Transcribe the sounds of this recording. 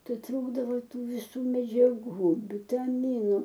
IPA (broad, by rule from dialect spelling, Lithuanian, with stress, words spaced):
ˈtɐɪ ˈtruːɡdɐʋoː ˈtuː ʋʲɪˈsuː mʲɛd͡ʒʲɛˈɡuː ʋʲɪtɐˈmʲɪnʊ